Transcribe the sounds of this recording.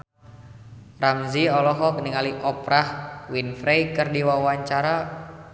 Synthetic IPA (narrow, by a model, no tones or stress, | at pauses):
ramziɔlɔɦɔk̚niŋaliʔɔpɾahwinfɾejkɨrdiwawaɲt͡ʃaɾa